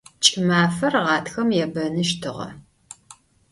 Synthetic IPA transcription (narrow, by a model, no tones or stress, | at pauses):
t͡ʃʼɪmaːfɐrʁɑːtʰxɐmjɛbɐnɨʃtʰɨʁɐ̰